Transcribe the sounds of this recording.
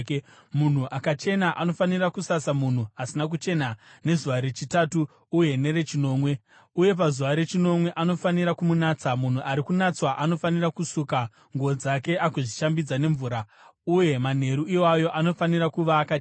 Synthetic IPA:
mun̤uʔakat͡ʃe̞naʔano̞fanirakusasamun̤uasinak̬ut͡ʃe̞nane̞zuʋaɾet͡ʃitatuː | je̞ne̞ɾe̞t͡ʃino̞ːmwe̞ | uje̞p̬azuʋaɾe̞t͡ʃino̞mwe̞ʔano̞faniɾakumunaːt͡samun̤uʔaɾikunat͡swaʔano̞fanirakusuːka | ŋɡod͡zake̞ʔakuʐiʃambid͡zane̞ɱvuːɾa | uje̞man̤e̞ɾuiwajo̞ʔano̞faniɾakuʋaːka

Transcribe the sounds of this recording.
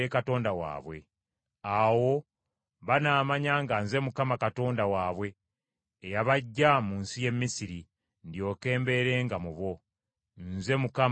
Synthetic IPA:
ekato̞ːndawa̰ːβwe̞̰ | awo̞ | βanaːmaɲaŋɡanze̞mukamakato̞ːndawaːβwe̞ː | jaβaɟːamuːnsije̞mːisiɾi | ndjo̞ke̞ːmbe̞ɾe̞ːŋɡamuβwo̞ | nze̞muka

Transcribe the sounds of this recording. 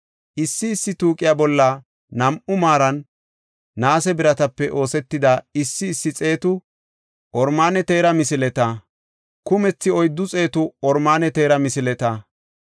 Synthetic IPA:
ʔɪsːɪːsːɪt̪uːkʼɪjabɔlːɐ | nɐmʔʊmaːɾɐnː | aːsɛbɪɾɐt̪ɐpːɛʔo̞ːsɛt̪ːɪd̪ɐɪsːɪːsːɪt͡sʼe̞ːt̪ʊ | ʔɔɾmaːnɛt̪e̞ːɾɐmɪsɪlɛt̪ɐ | kʊmɛt͡sːɪɔjd̪ːʊt͡sʼe̞ːt̪ʊɔɾmaːnɛt̪e̞ːɾɐmɪsɪlɛt̪ɐ

